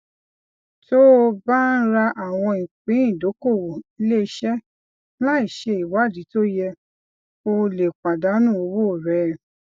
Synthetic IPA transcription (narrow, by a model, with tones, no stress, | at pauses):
to˦o˧ba˦n̩˦ɾa˧ʔa˨w̃ɔ̃˧ĩ˨k͡pĩ˨˦ĩ˦˨do˨˦ko˦˨wo˨i˦le˦˧˦ʃɛ˦ | la˦i˨ʃe˧i˨wa˨˦˨di˨˦to˦jɛ˧ | o˧le˨k͡pa˨da˨˦nũ˦˨o˧wo˦˨ɾɛ˦